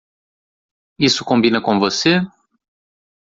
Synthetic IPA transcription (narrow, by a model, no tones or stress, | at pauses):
isukombinəkomvose